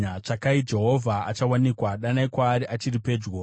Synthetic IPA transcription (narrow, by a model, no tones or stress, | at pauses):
at͡ʂakaid͡ʒe̞ɦo̞vʱaa̰t͡ʃawanikwaɗanaikwaːɾiʔat͡ʃiripe̞ːd͡ʒɡo